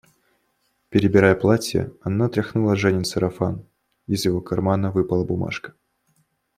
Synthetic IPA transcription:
pʲɪɾʲɪbʲɪɾajəplˠatʲjə̰ɐnat̪ɾʲɐxnulˠɐʐɛnʲɪnsəɾɐfan | ɪzjɪvo̞kɐrmanəvɨpəlˠəbʊma̰ʂkə̥

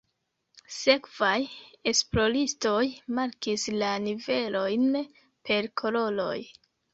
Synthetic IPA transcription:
se̞kv̥aje̞splo̞ɾisto̞jmaɾkislanive̞lo̞jn | pʰe̞ɾkʰo̞ɾo̞lo̞̰j

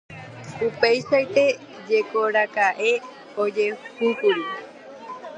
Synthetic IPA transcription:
upe̞jʃaet̪e̞ | d͡ʒe̞ko̞ɾakaʔe̞ | od͡ʒe̞uhukuɾi

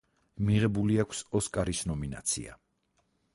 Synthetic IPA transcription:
miʁɛbuliakʷʰsɔskʼaɾisnɔmina̰t̪sʰḭa̰

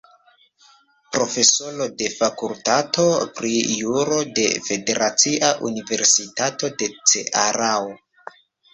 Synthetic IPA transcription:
pɾo̞fe̞solo̞de̞fakultato̞pɾijuɾo̞de̞̰fe̞de̞ɾʔat͡siʔaʔunive̞ɾsitato̞de̞t͡se̞̰ʔaɾaw

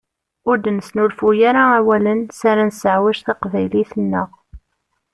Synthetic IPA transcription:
ʊɾd̪nsnulfujaɾaæwælənsaɾansəʕwæʒθɑqvæjliθənːəʁ

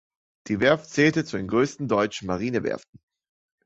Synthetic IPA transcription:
d̥iːvɛɐft͡sɛːltət͡sudeːnɡʁøːstn̩dɔʏt͡ʃn̩maʁ̞iːnəvɛ̰ɐfn̩

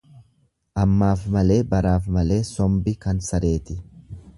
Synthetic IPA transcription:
ʔɐmːaːfmɐle̞ːbɐɾaːfmɐle̞ːsɔmbɪkɐnsɐɾe̞ːt̪ɪ

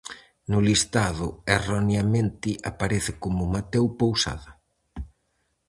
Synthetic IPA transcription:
nʊlist̪aðʊeronjamẽnt̪ɪʔapaɾeθɪkomʊmat̪ewpowsa̰ðɐ

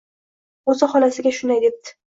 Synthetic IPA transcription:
ɵzɪχɒlasɪɡʲaʃʊnd̪ajd̪ep̚t̪ʰɪ̥

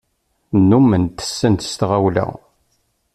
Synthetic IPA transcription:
nːumːənt̪ə̥sːənt̪st̪ʁæwlæ̰

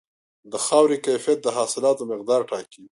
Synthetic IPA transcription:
d̪əxɑwɾikajfijat̪̚d̪əɦɑsɪlɑt̪omɪq̚d̪ɑːɾʈɑki

